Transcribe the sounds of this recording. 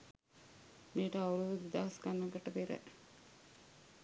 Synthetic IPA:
meːʈəauluʋud̪id̪aːɦaskanːɐɡəʈəpeɾə̰

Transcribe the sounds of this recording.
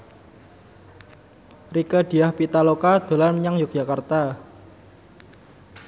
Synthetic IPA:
rikəd̪̥i̤ahpit̪alokad̪̥o̤lanmɲaŋjuk̚ʒ̥akart̪a

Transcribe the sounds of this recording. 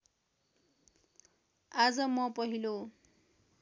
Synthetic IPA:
ad͡zʌmʌpʌɦilo

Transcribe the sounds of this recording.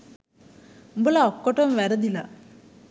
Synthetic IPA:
mbəlaɔkːoʈomʋæɾəd̪ila

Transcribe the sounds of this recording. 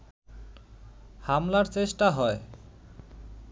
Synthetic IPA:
hamlaɾt͡ɕeʃʈaɦɔe

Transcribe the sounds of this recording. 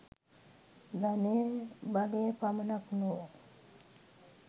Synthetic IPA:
banebaɡepamənakno

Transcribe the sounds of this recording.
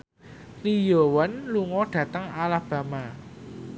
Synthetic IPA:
lijowanluŋɔɖ̥ä̤t̪əŋalahb̥ä̤ma

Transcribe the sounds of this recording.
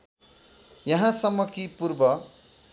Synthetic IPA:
jʌɦãsʌmːʌkipurbʌ

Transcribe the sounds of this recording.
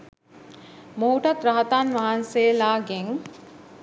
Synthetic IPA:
mouʈɐt̪ɾaɦɐt̪aːnʋaɦanseːlaːɡeŋ

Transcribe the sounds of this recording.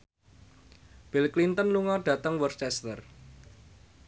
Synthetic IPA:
b̥ilklint̪ənluŋɔrɖ̥ä̤t̪əŋwərt͡ʃɛst̪ər

